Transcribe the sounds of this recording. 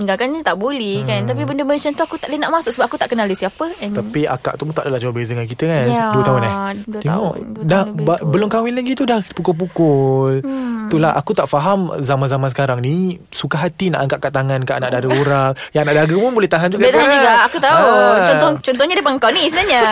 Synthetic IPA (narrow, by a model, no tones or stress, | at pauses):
iŋɡalkanɲat̪aʔbolɛhkant̪ap̬ibəndəməit͡ʃənt̪uakut̪aʔlənaʔmãsʊksəbap̚ʔakut̪aʔkənalisiapət̪apia̰ka̰ʔt̪upʊnt̪aʔdalahd͡ʒawabezədəŋankit̪əkanduət̪aɦʊnah̪eŋɔʔdababəlʊmkawɪnlaɡit̪udahpukʊlp̬ukʊlt̪ulaɦʔa̰kut̪aʔfaɦamzamanzamansə̥kaɾaŋnisukaɦat̪inaʔaŋkaʔkaʔt̪aŋãnkaʔanaʔdaɡəuɾaŋjaŋnaʔdaɡəpʊnbolɛht̪aɦand͡ʒubɡlet̪aɦand͡ʒuɡaakut̪aut͡ʃɔnɔt͡ʃɔnt̪ɔhɲadapaŋkawnisənaɲa